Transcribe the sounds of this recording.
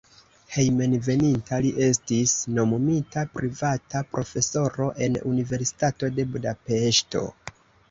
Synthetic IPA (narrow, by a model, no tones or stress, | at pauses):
he̞jme̞nve̞nintaliʔe̞stisno̞mumitapɾivatapɾʔo̞fe̞so̞ɾo̞ʔe̞nṵnive̞ɾsi̥tato̞de̞budape̞ʃto̞̰